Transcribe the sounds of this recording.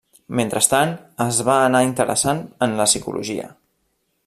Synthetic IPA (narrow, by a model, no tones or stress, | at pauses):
ment̪ɾəst̪anəzβaːnaint̪əɾʔə̰sanənləsikṵlʔṵʒiə̰